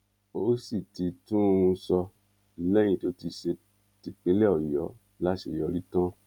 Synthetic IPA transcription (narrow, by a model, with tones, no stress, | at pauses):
o˦si˦˨ti˨˧tũ˦˧sɔ˧˦ | lɛ˦j̃ĩ˧˨to˦ti˧˨ʃe˧˦ | ti˧k͡pẽ˨˦lɛ˦ɔ˦˨jɔ˨˦ | la˦ʃe˨jɔ˨˧ɾi˦tã˦